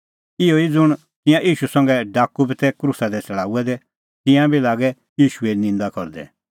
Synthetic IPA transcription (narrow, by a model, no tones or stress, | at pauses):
ɪoid͡zʊɽ̃ | t̪ɪ̃jãʔiːʃusɐ̃ŋɡɛɖaːkubit̪ɛkɾusad̪ɛt͡sɛɭaːuɛd̪ɛ | t̪ɪ̃jãbilaːɡɛ | jiːʃueinɪ̃nd̪akɔɾd̪ɛ̰